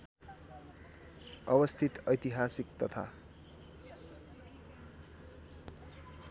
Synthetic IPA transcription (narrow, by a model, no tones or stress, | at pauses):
ʌbʌst̪ʰit̪ʌjt̪iɦasikt̪ʌt̪ʰa̰